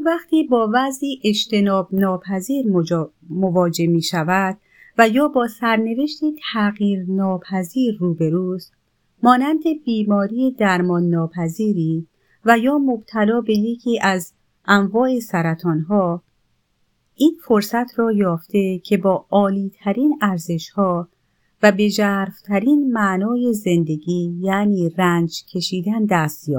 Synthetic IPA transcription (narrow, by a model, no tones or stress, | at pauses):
væxt̪ʰiːbɒːvæzʔiːʔeʃt̪e̞nɒːbnɒːpʰæziːɾ | movɒːd͡ʒe̞miːʃævæd̪̥̚ | væjɒːbɒːsæɾne̞ve̞ʃt̪it̪ʰæɣiːɾnɒːpʰæziːɾːuːbe̞ɾuːst̪ | mɒːnænd̪e̞biːmɒːɾiːjed̪æɾmɒːnːɒːpʰæziːɾiː | væjɒːmo̞bt̪ʰælɒːbe̞jecʰiːʔæz | ʔæɱvɒːesæɾæt̪ʰɒːnɦɒː | ʔiːnfo̞ɾsæt̪ʰrɒːjɒːft̪e̞cʰe̞bɒːɒːliːt̪ʰæɾiːnæɾze̞ʃhɒː | væbe̞d͡ʒæːɾft̪ʰæɾiːnmæʔnɒːje̞ze̞nd̪e̞ɡiːjæniːrænd͡ʒcʰe̞ʃiːd̪ænd̪æst̪jɒ̰ː